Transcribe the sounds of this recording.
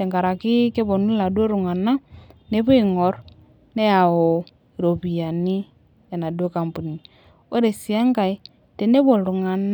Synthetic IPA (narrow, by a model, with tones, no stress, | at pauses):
e˨ŋɡa˨ɾa˨ki˦ke˦βo˨nu˦la˨dwo˦ɾu˨ŋa˨na˦ne˦βu˦i˦˨ŋɔ˨ɾ | ne˦ja˨ɔ˨ | ɾo˨βi˨ja˨ni˦ | ja˨na˨du˦o˦ka˨mpu˨ni˨ | o˦ɾe˨si˨a˦ŋka˨i˦ | te˨ne˦βo˨ɾu˨ŋa˨n˦